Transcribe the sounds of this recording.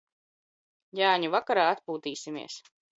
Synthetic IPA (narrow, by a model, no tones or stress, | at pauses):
jaːɲuvakaɾaːat̪puːt̪iːsʲimḭɛs